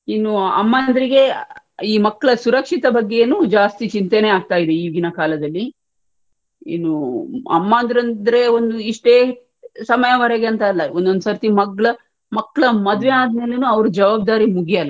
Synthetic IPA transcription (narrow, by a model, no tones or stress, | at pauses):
inːuɐ̰mːaːnd̪ɐɾiɡe̞ | iːmɐkːɐɭɐsuɾɐkʂit̪ɐbɐɡːenud͡ʒaːst̪it͡ʃint̪eneaːɡ̚t̪aːjid̪eiːɡinɐkaːlɐd̪ɐlːi | ḭnːuɐ̰mːaːnd̪ɾɐnd̪ɐɾe̞ond̪uiʂʈeː | sɐmɐjɐʋɐɾɛɡeɐnt̪ɐɐlːɐond̪ond̪sɐɾt̪imɐɡɭɐ | mɐkːɐɭɐmɐd̪ʋeaːd̪me̞ːlenuːɐʋɐɾud͡ʒɐʋaːb̚d̪aːɾimuɡijɐlːɐ